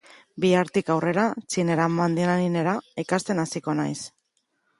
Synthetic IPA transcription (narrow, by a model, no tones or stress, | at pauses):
biaɾt̪ikawre̞ɾat͡sineɾamand̪inanine̞ɾaikast̪e̞nasiko̞na̰js